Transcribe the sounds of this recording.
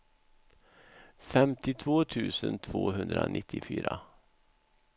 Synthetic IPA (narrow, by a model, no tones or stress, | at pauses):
fɛmt̪ɪt̪ʰvoːt̪ʰʉ̟ːsənt̪ʰvoːɦɵnd̪ɾanʔɪt̪ʰːɪfyːɾa